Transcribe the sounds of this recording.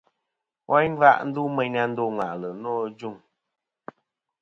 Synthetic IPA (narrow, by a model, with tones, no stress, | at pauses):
wʔa˦n˦va̰˦ʔn̩˦du˦mɛ˨ɲa˧n̩˦do˦ŋwa̰˨ʔlə˨nɔː˦d͡ʒu˦˨ŋ